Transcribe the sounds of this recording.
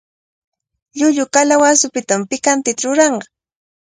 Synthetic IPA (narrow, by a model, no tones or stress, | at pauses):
ʎʊʎʊkalawasʊpɪt̪ampɪkant̪ɪt̪aɾʊɾɑɴɢɑ